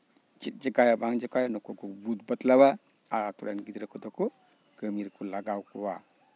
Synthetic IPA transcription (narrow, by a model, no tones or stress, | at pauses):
d͡ʒit̚d͡ʒəkajabaŋd͡ʒəkʰajanɔkʰɔkʰɔbut̚bɐtlaba | aɾatʰɔɾa̰nɡidɾakʰɔdɔkʰɔ | ɡ̥əmiɾkʰulaɡawkʰɔwa